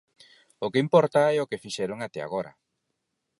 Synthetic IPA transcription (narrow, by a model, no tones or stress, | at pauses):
ʊkeimpɔɾt̪aɛokefiʃɛɾoŋat̪ɛa̰ɣoɾɐ̰